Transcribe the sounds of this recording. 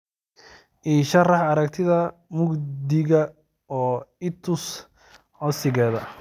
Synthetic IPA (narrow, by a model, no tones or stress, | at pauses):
ʔiːʃɐrɑħɐɾɐkt̪ʰɪðɐ | mʊɡd̪ɪɣɐ | ɔːɪt̪ʰʊs | ħɔsɪɣɛːðɐ